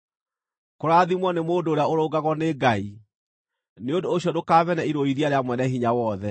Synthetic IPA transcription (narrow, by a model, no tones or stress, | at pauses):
koɾaðimwɔnemoːdoːɾeaoɾoːɡaɣɔneɡai | neondoːɕjɔdokaːβɛnɛiɾoiɾiaɾeamwɛnɛhiɲawɔðɛ